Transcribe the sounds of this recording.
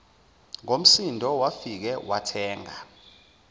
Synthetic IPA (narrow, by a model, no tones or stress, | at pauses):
ŋom̩sindʱɔwafik̬ɛwatʰɛːŋa